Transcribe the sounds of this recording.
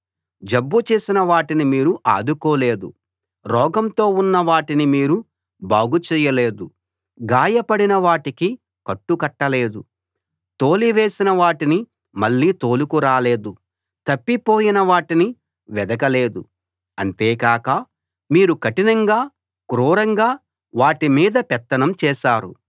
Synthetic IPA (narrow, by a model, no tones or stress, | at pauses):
d͡ʒɐbːut͡ʃe̞ːsinɐʋaːʈinimiːɾuʔa̰ːd̪uko̞ːle̞ːd̪ṵ | ɾɔːɡɐmt̪o̞ːunːɐʋaːʈinimiːɾu | baːɡut͡ʃɛːjɐle̞ːd̪u | ɡaːjɐpɐɽinɐʋaːʈiki | kɐʈːukɐʈːɐle̞ːd̪u | t̪oːliʋe̞ːsinɐʋaːʈini | mɐɭːiːt̪o̞ːlukuɾaːle̞ːd̪u | t̪ɐpːipo̞ːjinɐʋaːʈini | ʋɛd̪ɐkɐle̞ːd̪u | ɐnt̪eːkaːkɐ | miːɾukɐʈinɐŋɡaː | kɾuːɾɐŋɡaː | ʋaːʈimiːd̪ɐpɛt̪ːɐnɐmt͡ʃɛːʃaːɾṵ